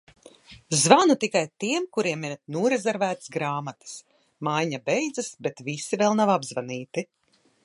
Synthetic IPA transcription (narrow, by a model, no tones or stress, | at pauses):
zvanut̪ikajt̪iɛmkuɾiɛmiɾnuɔɾezɛɾvæːt̪sɡɾaːmat̪ɨ̥s | majɲabɛjd̪zɨsbet̪visivɛlˠnavabzvaniːt̪i